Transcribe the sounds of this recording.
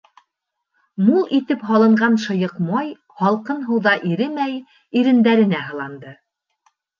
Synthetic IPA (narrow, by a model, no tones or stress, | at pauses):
mulˠʔit̪ɘpɦɑlˠɤ̆ɴɢɑnʃɤ̆jɤ̆qmɑj | hɑlˠqɤnɦɤ̆wðɑʔiɾɘmæj | iɾɘ̆nd̪æɾɘ̆næɦɤ̆lˠɑnd̪ɤ